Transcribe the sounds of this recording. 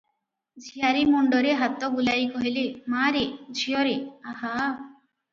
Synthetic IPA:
d͡ʒʱijaɾimɔɳɖɔɾeɦat̪ɔbulajkɔɦilimaɾid͡ʒʱijɔɾiaɦa

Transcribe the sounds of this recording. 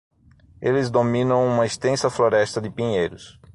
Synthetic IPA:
elɪzd̪omĩnɐ̃w̃ũmɐist̪ẽsɐfloɾɛst̪ɐd̪ɪpĩɲejɾʊs

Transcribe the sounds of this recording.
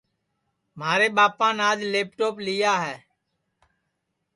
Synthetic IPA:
m̤aːɾeːɓaːpãːnaːd͡ʒleːp̚ʈoːplɪjaːɦɛː

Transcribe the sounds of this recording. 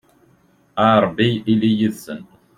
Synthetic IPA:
aɾˤbːiilijiðsən

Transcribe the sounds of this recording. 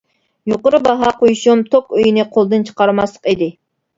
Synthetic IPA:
joqəɾɨbɑɦɑqojuʃumt̪ʰokøjinɪqʰolˠd̪ɨnt͡ʃʰə̥qɑɾmɑslˠə̥qid̪ɪ

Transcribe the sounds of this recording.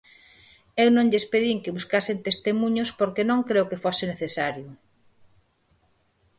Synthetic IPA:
ewnõŋʎespeðiŋkɪβuskasent̪est̪emuɲospoɾkenõŋkɾewkefosɪneθesaɾjʊ

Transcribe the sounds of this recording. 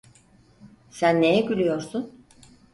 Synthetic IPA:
sænːe̞jɛɟylʲyjo̞ɾsun

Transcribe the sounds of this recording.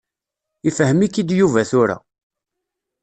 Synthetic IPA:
ifəɦəmikːid̪juvæθʊɾa̰

